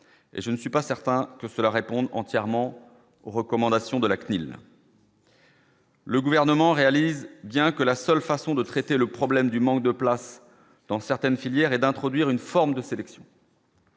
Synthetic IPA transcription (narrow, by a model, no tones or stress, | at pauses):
ḛʒənəsɥipasɛʁt̪ɛ̃kəsəlaʁepɔ̃d̪ɑ̃t̪jɛʁmɑ̃ | oʁəkɔmɑ̃d̪asjɔ̃d̪əlaknil | ləɡuvɛʁnəmɑ̃ʁealizbjɛ̃kəlasœlfasɔ̃d̪ət̪χet̪eləpχɔblɛmd̪ymɑ̃k̚d̪əplas | d̪̥ɑ̃sɛʁt̪ɛnfiljɛʁɛd̪ɛ̃t̪χɔd̪ɥiʁynfɔʁmd̪əselɛksjɔ̃